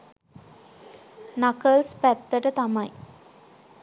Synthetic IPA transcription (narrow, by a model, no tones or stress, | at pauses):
nakəlspæt̪ːəʈət̪amɐji